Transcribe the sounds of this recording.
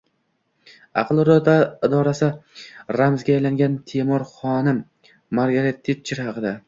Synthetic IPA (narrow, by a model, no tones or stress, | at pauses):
ɑ̰qʰlˠɾɒt̪aɪd̪ɒɾasɪɾamzɡʲaːjlaŋɡʲant̪ʰemɒɾχɒnɪmː | aɾɡaɾet̪ːet͡ʃʰːɪɾhɑqʰɨd̪a